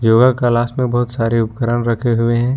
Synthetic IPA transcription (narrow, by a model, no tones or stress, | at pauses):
joːɡakalaːsmẽbɐɦʊt̪saːɾeʊpkəɾənɾɐkʰeɦʊeɦɛ̃ː